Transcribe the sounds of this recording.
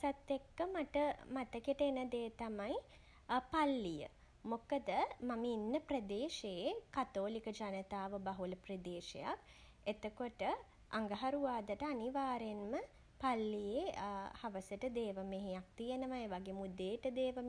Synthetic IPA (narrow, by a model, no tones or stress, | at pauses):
sat̪ːekːəmaʈəmat̪əkiʈəenəd̪eːt̪amaj | palːijə̰ | mokəd̪əmaməinːəprɐd̪eːʃejekat̪oːlikəd͡ʒanət̪aːʋəbaɦuləprəd̪eːʃḛja̰k | et̪əkoʈə | a̰ŋɡəɦaɾuʋaːd̪əʈəaniʋaːɾenmə | palːijehaʋəsəʈəd̪eːʋəmeɦejak̚t̪ijenəʋaeːʋaɡeːmud̪eːʈəd̪eːʋəm